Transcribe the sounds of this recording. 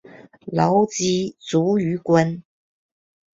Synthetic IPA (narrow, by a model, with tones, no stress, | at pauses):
lɔ˨˧˥ʊt͡ɕi˥t͡su˨˥y˧˥kwə˥n